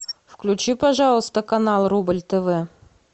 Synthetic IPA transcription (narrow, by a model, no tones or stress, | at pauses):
fklʲʉt͡ɕipɐʐɑlˠəst̪əkɐnɑlˠrublʲt̪əvɛ